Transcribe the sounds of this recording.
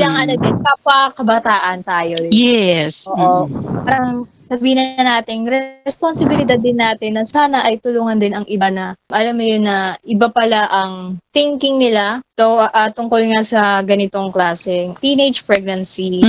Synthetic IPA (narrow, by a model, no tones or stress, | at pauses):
laŋɐnɐd̪ɛnpapɐkɐbɐt̪aːʔɐnt̪aːjojɛsoːʔopaːɾɐŋ | sɐbiːhɪnɐnaːt̪ɪŋɾɛsponsɪbɪlɪd̪ad̪ːɪnːaːt̪ɪnːɐsaːnɐʔɐjt̪ʊluːŋɐnd̪ɪnɐŋɪbanɐmʔɐlamːɐjonːɐʔɪbapɐlaʔɐŋt̪ɪŋkɪŋnɪlat̪oʔat̪ʊŋkolŋasɐɡɐnɪt̪o̞ŋklaːsɛŋt̪inejd͡ʒpɹɛɡ̚nɐnsi